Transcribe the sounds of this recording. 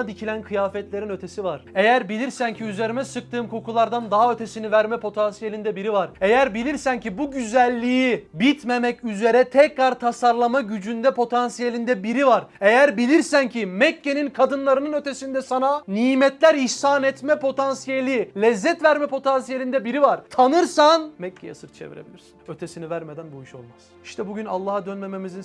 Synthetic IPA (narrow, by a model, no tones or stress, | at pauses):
d̪icʰilʲænkʰɯjaːfɛt̪lʲe̞ɾinøt̪ʰesivaɾ̥e̞jæɾbilʲiɾsæncʰiyze̞ɾimɛsɯk̚t̪ɯːmkʰo̞kʰulˠaɾd̪and̪aɦaø̞t̪ʰe̞sinivæɾmɛpʰo̞t̪ʰansijelʲind̪ɛbiɾivaɾe̞jæɾbilʲiɾsæncibuɟyzælʲːijibit̪me̞mɛcyze̞ɾɛt̪ʰɛcɾaɾt̪ʰasaɾlˠamaɟyd͡ʒynd̪ɛpʰo̞t̪ʰansijelʲind̪ɛbiɾivaɾe̞jæɾbilʲiɾsæncʰimɛcːe̞ninkʰad̪ɯnlˠaɾɯnɯnø̞t̪ʰesind̪ɛsananiːmɛt̪lʲæɾiʃsaːnɛt̪mɛpʰo̞t̪ʰansijelʲilʲɛzːɛt̪væɾmɛpʰo̞t̪ʰansijelʲind̪ɛbiɾivaɾt̪ʰanɯɾsanmɛcʰːeja̰sɯɾt͡ʃʰe̞vḭɾḛbilʲiɾsinø̞t̪ʰesinivæɾmed̪ænbuiʃo̞̰lˠmaz̥ | i̥ʃt̪ʰɛbuɟyna̰lˠːaːad̪ønme̞me̞mizin